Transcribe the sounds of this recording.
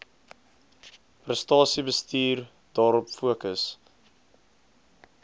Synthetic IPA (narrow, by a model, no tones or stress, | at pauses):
prəstɑːsibəstiːr | d̥ɑːɾɔpfuəkəs